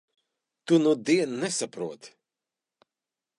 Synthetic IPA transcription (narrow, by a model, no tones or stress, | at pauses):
t̪unud̪iɛnnɛsapɾuɔt̪